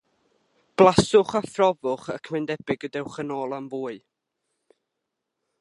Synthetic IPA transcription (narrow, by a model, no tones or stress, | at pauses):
b̥lˠasʊχafrɔvʊχəkʰmɛndɛbɪɡədɛwχənoːlˠamvuːɨ